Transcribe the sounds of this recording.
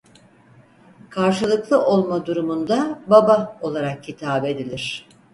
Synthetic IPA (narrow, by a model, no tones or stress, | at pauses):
kʰaɾʃɯlˠɯklˠɯʔo̞lˠmad̪uɾumund̪ababao̞lˠaɾak̚cit̪ʰaːbe̞d̪ilʲiɾ̝̥